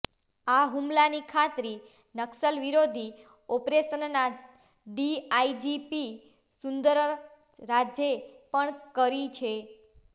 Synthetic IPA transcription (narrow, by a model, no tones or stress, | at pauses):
aɦumlanikʰat̪ɾi | nəksəlʋiɾod̪ʱi | ɔpɾeʃənna | ɖiaid͡ʒipi | sund̪əɾ | ɾad͡ʒjepəɳkəɾit͡ʃʰe